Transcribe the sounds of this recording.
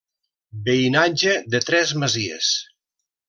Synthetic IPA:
beinad͡ʒeðet̪ɾɛzməziḛs

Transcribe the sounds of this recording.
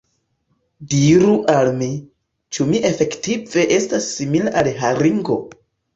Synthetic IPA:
diɾuʔalmi | t͡ʃumiʔe̞fe̞ktive̞ʔe̞stasːimilaʔalɦaɾiŋɡo̞

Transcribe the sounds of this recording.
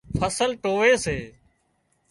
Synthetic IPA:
fʰəsəlʈoːʋeːseː

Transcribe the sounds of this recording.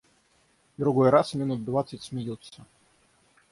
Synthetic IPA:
d̪ɾʊɡojɾasmʲɪnut̪̚d̪vat̪sətʲsmʲɪjilˠsʲə

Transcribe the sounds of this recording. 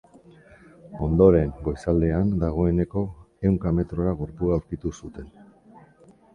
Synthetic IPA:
o̞nd̪o̞ɾe̞ŋɡo̞jsald̪e̞and̪aɣ̞o̞e̞ne̞ko̞e̞wŋkame̞t̪ɾo̞ɾaɣoɾpuauwɾkit̪usut̪e̞n

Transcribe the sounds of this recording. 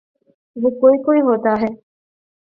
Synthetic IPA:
bukoikoiɦoːt̪aːɦe

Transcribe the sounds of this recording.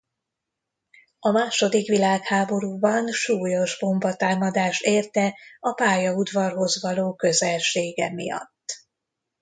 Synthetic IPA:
ɒmaːʃo̞d̪ikʋilaːkhaːbo̞ɾuːbɒnʃuːjo̞ʒbo̞mbɒt̪aːmɒd̪aːʃt̪eːrt̪ɛɒpaːjɒud̪ʋɒrɦo̞zʋɒloːkø̞zɛlʃeːɡɛmḭjɒ̰t̪ː

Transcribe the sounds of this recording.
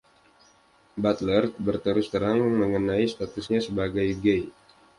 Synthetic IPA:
bat̪lərbərt̪əɾʊst̪əɾaŋməŋənaist̪at̪ʊsɲasəbaɡajɡej

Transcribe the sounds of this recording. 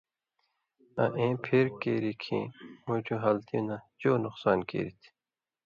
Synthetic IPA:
ɐ̰̃ʔẽːpʰeɾkeːɾikʰḭ̃ːmũt͡ɕʰuɦɐlt̪ʰijũnat͡ɕoːnuqsaːnkḛːɾit̪ʰ

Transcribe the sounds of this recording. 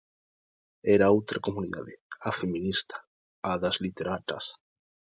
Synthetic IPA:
ɛɾaowt̪ɾakomuniða̰ðɪafemĩnist̪ḁ | aðazlit̪eɾat̪a̰s

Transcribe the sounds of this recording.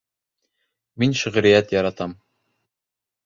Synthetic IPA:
minʃɘ̆ʁ̆ɾɘ̆jæt̪jɑɾɑt̪ɑm

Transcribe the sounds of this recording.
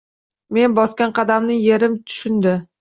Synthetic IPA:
me̞nbɒskʲanqʰɑd̪amnɪje̞ɾɪmt̪ʰʊ̥ʃʊnd̪ɪ

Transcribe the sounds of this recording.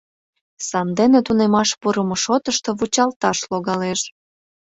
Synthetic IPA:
sɑmd̪enet̪unemɑʃpuɾəmoʃot̪əʃt̪o̽βut͡ɕɑlt̪ɑʃloɣɑleʃ

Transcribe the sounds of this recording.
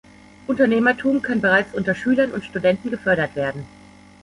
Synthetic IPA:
ʔʊntɐneːmɐtʰuːmkʰannbəʁaɪt͡sʔʊntɐʃyːlɐnʊntʃtudɛntn̩ɡəfœɐɾɐtv̥eːɐdn̩

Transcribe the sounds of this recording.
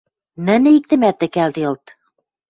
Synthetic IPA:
nɘ̆nɘik̚t̪ɘ̆mæt̪ɘ̆kæld̪ijɤ̆lˠt̪

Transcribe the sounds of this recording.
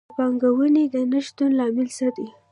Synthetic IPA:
pɑŋɡawəned̪ənəʃt̪unlɑmɪlsad̪i

